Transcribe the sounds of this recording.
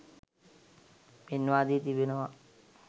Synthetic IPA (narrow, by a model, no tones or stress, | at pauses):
penːʋaːd̪iːt̪ibenəʋa